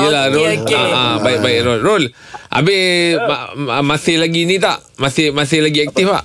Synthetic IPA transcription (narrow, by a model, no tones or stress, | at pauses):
jəlaɾolaabaɪʔ̚baɪʔɾolrol | ʔa̰bɪhaəmasɪhlaɡinit̪aʔ | masɪhmas̬ɪhlaɡiɛk̚t̪ifpa̰ʔ